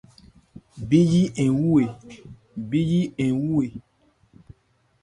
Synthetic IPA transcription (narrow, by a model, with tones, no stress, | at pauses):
bi˦ji˦ɛ̃˨wu˦e˨ | bi˦ji˦ɛ̃˨wu˦e˨